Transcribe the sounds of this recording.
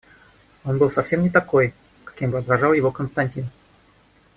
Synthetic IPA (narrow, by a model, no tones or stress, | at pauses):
o̞nbɨlˠsɐfsʲe̞mnʲɪt̪ɐko̞j | kɐ̥kʲimbɨɐd̪ɾɐʐɑlˠjɪvo̞kənst̪ɐnʲtʲin